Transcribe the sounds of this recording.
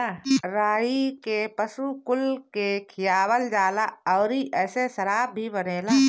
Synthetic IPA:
aɾaːɦikepəsukʊlkekʰɪjaːwəld͡ʒaːlaɔːɾiʔɛːsesəɾaːb̚ːʱibəneːlaː

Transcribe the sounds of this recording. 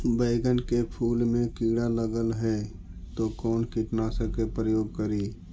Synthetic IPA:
bəɪɡənkepʰuːlmẽkiːɽaləɡəlɦɛː | t̪okɔːnkɪʈnaːsəkepɾəjoːɡ̚kəɾiː

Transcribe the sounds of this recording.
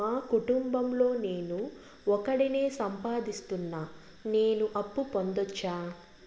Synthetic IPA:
aːkuʈumbɐmlo̞ːneːnu | ɔkɐɽineːsɐmpaːd̪ist̪unːaː | ne̞ːnuʔɐpːupond̪ɔt͡ʃːaː

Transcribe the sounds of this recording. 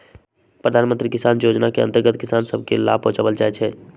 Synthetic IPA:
pɾəd̪ʱanmənt̪ɾikisanjod͡ʒnakeə̰̃nt̪əɾɡət̪̚kisansəbʱkela̰bõt͡ʃabəld͡ʒaɛt͡ʃʰɛ

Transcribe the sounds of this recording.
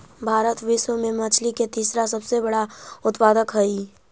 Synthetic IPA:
bʱaːɾət̪ʋɪʃwəmẽmɐt͡ʃʰliket̪iːsɾas̬ɐbsebɐɽaʊt̪paːd̪əkɦɐi

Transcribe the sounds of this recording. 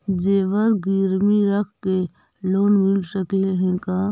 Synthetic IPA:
d͡ʒeːʋəɾɡiɾmiɾɐkʰke | loːnmɪlsɐt̪eẽɦẽkaː

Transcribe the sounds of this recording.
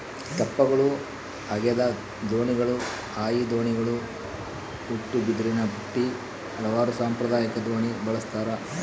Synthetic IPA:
t̪ɐpːɐɡɐɭu | ɐɡɛd̪ɐ | d̪oːɳiɡɐɭu | aːjid̪oːɳiɡɐɭu | uʈːubid̪ɾinɐbʱuʈːi | hɐlɐʋaːɾusaːmpɾɐd̪aːjɐkɐd̪oːɳibɐɭɐst̪aːɾɐ

